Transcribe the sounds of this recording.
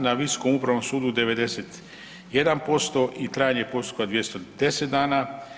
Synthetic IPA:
naʋiso̥ko̞mupɾaʋno̞msuːd̪ud̪e̞ʋe̞d̪eset̪ | je̞d̪anpo̞st̪o̞ʔit̪ɾaːjaɲe̞po̞st̪u̥kad̪ʋje̞st̪od̪e̞set̪̚d̪aːna

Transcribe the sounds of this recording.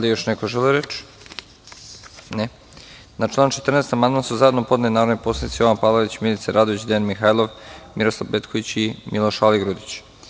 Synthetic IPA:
ald̪ijoʃnekoʒeliɾet͡ʃ | ne | naʈ͡ʂlˠaːnt͡ʃe̞t̪rneːst̪amand̪mansuzaed̪nopo̞d̪nenaɾoʋnepo̞sˠanit̪sijoʋanpaːlˠoʋit͡ɕmilit̪seɾʔad̪oʋit͡ɕd̪eanmixajlˠo̞ʋmiɾoslˠaʋbet̪kʰoʋit͡ɕimilˠo̞ʃaliɡɾud̪it͡ɕ

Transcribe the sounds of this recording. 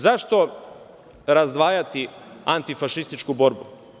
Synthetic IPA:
zaʃt̪o̞ | ɾazd̪ʋaːjat̪i | ant̪ifaʃist̪it͡ʃkubo̞ɾbṵ

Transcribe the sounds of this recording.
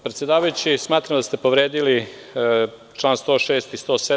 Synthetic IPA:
pɾe̞t̪sjed̪aːʋajut͡ɕismaːt̪ɾamd̪ast̪e̞po̞ʋɾeːd̪ili | t͡ʃlˠaːnst̪o̞ʃeːst̪ist̪ose

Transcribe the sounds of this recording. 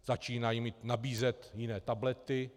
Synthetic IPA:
z̥at͡ʃiːnajimiːt̪nabiːzɛt̪jɪnɛːt̪ablɛt̪ɪ

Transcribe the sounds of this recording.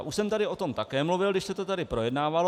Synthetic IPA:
ʔuʃsɛmt̪adɪo̞t̪o̞mt̪akɛːmluvɪlɡdɪʃsɛt̪ot̪adɪpɾo̞jɛdnaːvalo

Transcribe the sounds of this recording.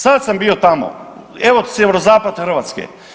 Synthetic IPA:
sad̪sambiːot̪amo̰ | eʋosjeʋeɾozaːpad̪xr̩ʋaːt̪skḛ

